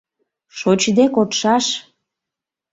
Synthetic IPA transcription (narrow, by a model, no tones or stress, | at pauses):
ʃot͡ɕd̪ekot̪ʃɑʃ